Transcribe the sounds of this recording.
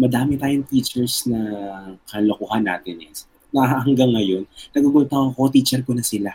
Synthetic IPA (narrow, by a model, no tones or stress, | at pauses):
mɐd̪aːmɪt̪aːjoŋt̪iːt͡ʃɛɹsnɐkɐlokohɐnːa̰ːt̪ɛnɛs | nɐhɐhɐŋɡaŋːɐjo̞nnɐɡuɡʊnt̪ɐŋɐko̞t̪iːt͡ʃɛɾkonɐsɪla